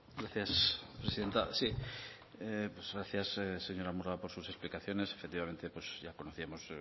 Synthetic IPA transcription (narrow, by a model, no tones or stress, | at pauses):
ɡɾaθjaspɾesiðe̞nt̪asi | epwezɣɾaθjasese̞ɲo̞ɾamuɾapo̞ɾsuse̞splikaθjo̞ne̞se̞̥fekt̪iβament̪epwezʝako̞noθiamo̞z